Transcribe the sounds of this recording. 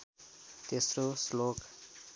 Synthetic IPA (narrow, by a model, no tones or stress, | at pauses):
t̪esroslok